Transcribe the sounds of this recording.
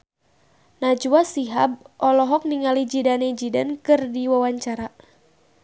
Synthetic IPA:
nad͡ʒuasiɦab̚ʔɔlɔɦɔk̚niŋalid͡ʒidanɛd͡ʒidankɨrdiwawaɲt͡ʃaɾa

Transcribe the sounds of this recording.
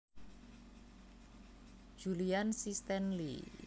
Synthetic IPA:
d͡ʒ̥uliansist̪ɛnlḭ

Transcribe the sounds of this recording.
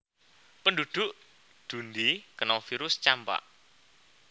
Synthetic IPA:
pəndud̪̥ʊ̤ʔ | d̪̥und̪ikənɔfiɾʊst͡ʃampa̰ʔ

